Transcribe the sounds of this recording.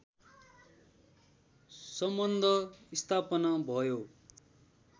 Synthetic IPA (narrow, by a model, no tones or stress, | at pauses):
sʌmbʌnd̪ʱʌist̪ʰapʌnabʱʌjo